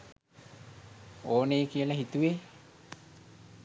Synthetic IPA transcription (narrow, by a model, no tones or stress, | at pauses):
oːneːkiələɦit̪uʋe